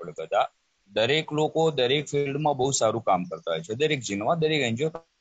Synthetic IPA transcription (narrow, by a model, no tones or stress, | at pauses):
ɭkəd̪a | d̪əɾeklokod̪əɾekfʰilɖmãbəɦusaɾũkamkəɾt̪aɦojt͡ʃʰed̪əɾek̚d͡ʒinʋãd̪əɾekəɲd͡ʒot̪